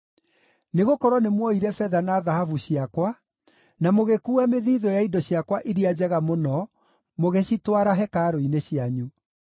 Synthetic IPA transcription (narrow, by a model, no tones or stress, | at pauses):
neɣokɔɾwɔnemwɔiɾɛfɛðanaðahavuɕiakwa | namoɣekuɛmeðiːðɔjaidɔɕiakwaʔiɾiad͡ʑɛɣamonɔ | moɣeɕitwaɾaɦɛkaːɾoineɕiaɲu